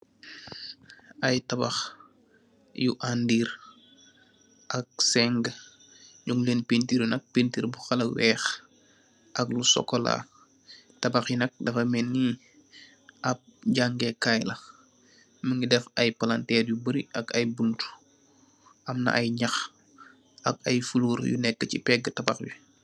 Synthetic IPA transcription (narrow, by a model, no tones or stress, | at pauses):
ɐjtɐbax | juʔandiːɾ | ʔɐk̚sɛŋɡ | ɟuŋlenpintiːɾjunɐk̚pintiːɾbuxɐlɐkwɛːx | ʔɐklusɔ̰kːola̰ | tɐbaxjunɐk̚dɐfɐmɛnːi | ɐp̚ɟaŋɡɛkajlɐ | mɐŋɡidɛfɐjpɐlantɛrjubəɾiʔɐkɐjbuntu̥ | ʔɐmnɐ̰ʔɐjɲɐx | ʔɐkɐjfuluːɾjṵnɛkːəcipɛɡːətɐbaxju